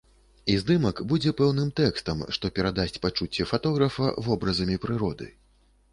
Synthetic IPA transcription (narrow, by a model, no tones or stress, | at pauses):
izd̪ɨmɐkbud͡zʲɛpɛwnɨmt̪ɛkst̪ɐmʂt̪ɔpʲɛɾad̪asʲt͡sʲpat͡ʂut͡sʲːɛfat̪ɔɣɾɐfɐ̰vɔbɾɐzɐmʲipɾɨɾɔd̪ɨ̰